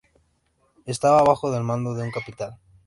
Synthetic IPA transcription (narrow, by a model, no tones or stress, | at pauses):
e̞st̪aβaːβ̞axoðe̞lmãnd̪oðeuŋkapit̪al